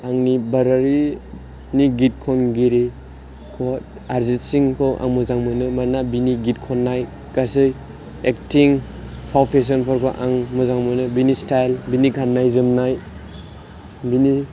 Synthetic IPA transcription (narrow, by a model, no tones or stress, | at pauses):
aŋnibaɾaɾi | niɡit̚kʰɔnɡiɾi | kʰɔt | aɾzisiŋkʰɔʔa̰ŋmuzaŋmɯnɯmanabiniɡit̚kʰɔnːaj | ɡasɯj | ektʰiŋpʰawpʰes̬ɔnpʰɔɾkʰɔʔaŋmuzaŋmɯnɯbinistajlbiniɡʱanːajzɯmnaj | bini